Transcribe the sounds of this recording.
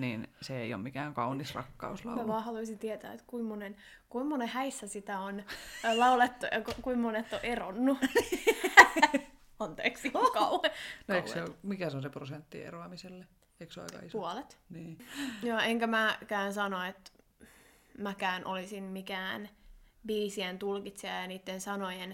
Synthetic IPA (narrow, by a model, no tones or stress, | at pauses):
niːnseḛio̰mikæːŋkɑunːisrɑ̰kːɑ̰uslɑ̰mæʋɑːhɑluisint̪iet̪æ̰ːḛt̪kuimːonen | kuimːonehæisːæsit̪æonlɑulet̪ːuɑ̰kokuimːonet̪ːoʔeronːu | ɑnt̪ḛːksiokɑuheoeikeomikæseõnseprosent̪ːḭḛroɑmiselːe | eikseɑ̰ikɑ̰ispuolet̪niːjoeŋkæmækæːnsɑnoet̪ | mækæːnʔolisinmikæːnbiːsient̪ulkit̪siɑjɑniːt̪ːensɑnojen